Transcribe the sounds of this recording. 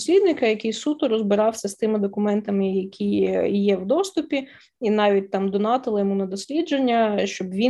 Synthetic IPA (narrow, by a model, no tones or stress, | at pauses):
sʲlʲid̪nɪkɐjɐkɪjsut̪ʊɾɔzbɪɾɑwsʲɐst̪ɪmɪd̪ɔkʊmɛnt̪ɐmɪjɐkʲijjɛwd̪ɔst̪ʊpʲi | inɑʋʲit̚ʲt̪ɑmd̪ɔnɑt̪ɪlˠɪjɔmunɐd̪ɔsʲlʲid͡ʒenʲːɐʃt͡ʃɔbʋʲi